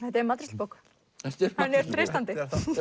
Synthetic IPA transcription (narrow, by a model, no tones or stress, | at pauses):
θɛht̪̬ɛɾmat̪ɾɪt̪powk | hanːɛɾ̥θɾejst̪ant̪ɪ